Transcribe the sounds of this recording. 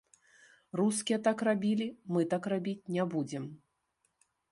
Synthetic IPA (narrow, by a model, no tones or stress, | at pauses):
ruskʲijɛt̪akrabʲilʲimɨt̪akrabʲit͡sʲnʲɛbud͡zʲɛm